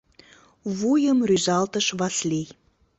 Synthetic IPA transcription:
βujəmryzɑlt̪əʃβɑslʲej

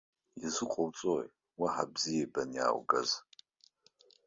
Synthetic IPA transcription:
izɨqʷʼowt͡sʼoj | waħabzijebanja̰ːwɡaz

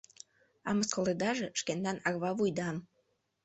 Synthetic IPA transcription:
ɑ̰məskoled̪ɑʒĕʃkend̪ɑnɑɣβɑβujd̪ɑm

